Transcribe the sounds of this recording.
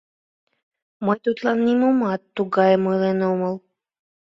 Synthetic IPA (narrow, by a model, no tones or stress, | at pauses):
mɤjt̪ut̪lɑnːimumɑt̪ːuɡɑjəmɯlenoməlˠ